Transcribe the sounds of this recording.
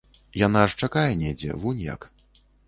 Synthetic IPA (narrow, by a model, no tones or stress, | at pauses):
janaʂt͡ʂakajɛnʲɛd͡zʲɛ̰vunʲja̰k